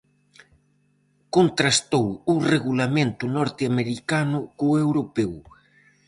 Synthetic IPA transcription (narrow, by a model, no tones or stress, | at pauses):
kont̪ɾast̪owʊreɣulamẽnt̪ʊnɔɾt̪eameɾikanʊkoewɾopɛw